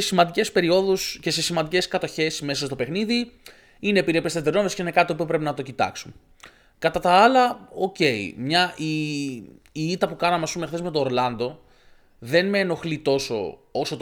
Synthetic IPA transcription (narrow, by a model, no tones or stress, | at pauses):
esimɐnd̪ice̞spe̞ɾio̞ðusce̞se̞simɐnd̪ice̞skɐt̪o̞çe̞sme̞sɐst̪o̞pe̞xniði | ine̞ːpiɾiepest̪et̪eɾno̞mesceine̞kɐt̪it̪o̞pio̞pɾe̞pinɐt̪o̞cit̪ɐ̰ksum | kɐt̪ɐt̪ɐɐlɐo̞ce̞ḭmɲɐiː | it̪ɐpukɐnɐmeɐspumexθe̞zme̞t̪oːɾlɐnd̪o̞ | ðe̞nme̞ːno̞xlit̪o̞so̞̰osot̪